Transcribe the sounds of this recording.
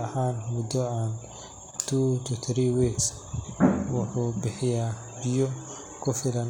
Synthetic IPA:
ɐhaːnmʊd̪ɔaːn | t̪ʰuːt̪ʰut̪ʰɾiwiks | wɑħuːbɪħɪjaː | bɪjɔ | kʰʊfɪlɐn

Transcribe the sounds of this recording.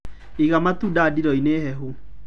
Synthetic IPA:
iɣamatudadiɾɔineɦɛɦu

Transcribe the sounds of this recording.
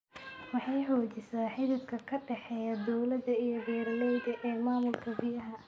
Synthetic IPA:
wɑħɑjħɔːt͡ʃɪsaːħɪðɪd̪kʰɐkʰɐɖɛħɛːjad̪ɔwlɐd̪ɐijɔbɛːɾɐlɛjd̪ɐʔɛːmaːmʊlkʰɐbɪjɐɦɐ

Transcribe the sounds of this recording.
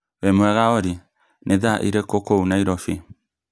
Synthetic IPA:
wɛmwɛɣaɔɾi | nʔeðaʔḭɾekokounaiɾɔfi

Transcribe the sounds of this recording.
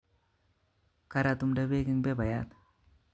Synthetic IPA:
kɐɾat̪umɖɐbeːɡiŋbebɐja̰t̪

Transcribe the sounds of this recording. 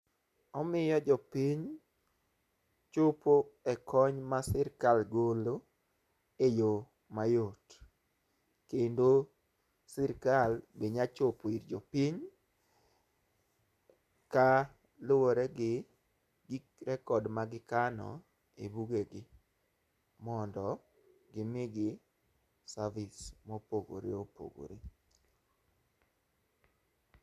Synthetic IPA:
ɔmɪjɔd͡ʒɔpiɲ | t͡ʃopoɛkʰɔɲmasɪɾkalɡolo | ejo | majot | kendo | sɪɾkalbeɲat͡ʃopoiɾd͡ʒɔpiɲ | ka | lowoɾɛɡɪ | ɡɪ | ɾɛkɔdmaɡɪkanɔ̰ | ebuɡeɡɪ | mɔndɔ | ɡɪmɪɡɪ | savɪsmopoɡo̰ɾḛopo̰ɡo̰ɾe

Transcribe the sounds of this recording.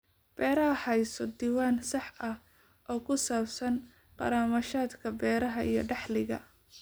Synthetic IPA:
b̥ɛːɾɐɦɐħɑjsɔd̪iːwaːnsɑħɐh | ʔɔːkʰʊsaːbsɐn | qɑ̰ɾaːmɐʃaːd̪kʰɐbɛːɾɐɦɐʔḭjɞ̰ɖɑħlɪɣɐ̰

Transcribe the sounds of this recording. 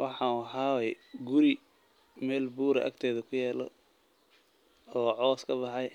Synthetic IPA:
wʔɑ̰ħɑːɦɑːwɛjɡʊɾi | mɛːlbuːɾɐ̰ʔɐ̰ɡt̪ʰɛːðɐkʰʊjɛːlɔ̰ | ɔːʕɔːskʰɐbɑħɑj

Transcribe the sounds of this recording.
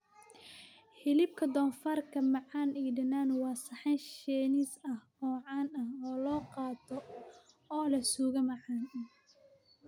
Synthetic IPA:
hɪlɪb̚kʰɐd̪ɔːnfɐrkʰɐmɑʕɑːniːɖɐnːaːnwɑːsɐħɑnʃɛːnɪsɐh | ɔːʕɑːnɐhɔːlɔːqɑːt̪ʰɔ | ɔːlɐsuːɣɐmɑʕɑːn

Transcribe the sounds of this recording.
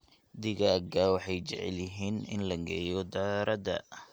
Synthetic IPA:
d̪ɪɣɐɡawɑħɑjt͡ʃɛʕɛ̰ljɪɦiːnɪ̰nlɐɡɛjɔd̪aːɾɐd̪ɐ̰

